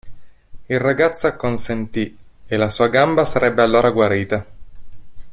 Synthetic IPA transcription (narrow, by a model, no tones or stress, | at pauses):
ilraɡat̪sːakːonsent̪ielasuːaɡambasaɾɛbːealːoːɾaɡwaɾiːt̪a